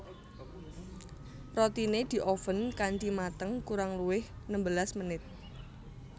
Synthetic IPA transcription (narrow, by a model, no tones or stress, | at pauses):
rot̪ined̪̥i̤ʔofənkantimat̪əŋkuɾaŋluwɪhnəmbəlasmənɪt̪̚